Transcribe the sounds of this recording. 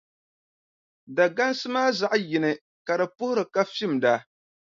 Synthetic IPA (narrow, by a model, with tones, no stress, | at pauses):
da˨ɡa˦nsɨ˦maː˦za˨ʔjɪ˨nɨ˦ | ka˨dɨ˨pʊ˦hʊ˦ɾɨ˨ka˦fi˦˨mda˨